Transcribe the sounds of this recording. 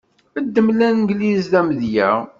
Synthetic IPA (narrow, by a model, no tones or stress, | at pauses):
əd̪ːəmlænɡlizðæmðjæ̰ʁ